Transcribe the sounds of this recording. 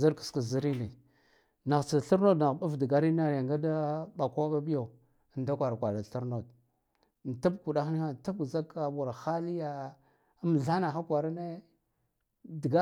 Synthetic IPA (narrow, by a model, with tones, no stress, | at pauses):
za˦ɾkḁ˨ska˨zi˦ɾi˦ni˨ | na˨ɣt͡sa˨ɬa˦ɾno˦dna˨ɣɓa˦vdɡa˨ɾi˦na˦ɾa˨ŋɡa˦da˦ɓa˨kʷa˦ɓa˦bi˦ja˨ | nda˦kʷa˨ɾa˨kʷa˨ɾa˨ɬa˦ɾno˨d̚ | n˨ta˦bku˨ɗa˦xni˦a˦n˨ta˦bza˦ka˨bu˨ɾa˨xa˦li˦ja˨˦ | m˨ɮa˦na˨xa˦kʷa˨ɾa˦ne˦ | dɡa˦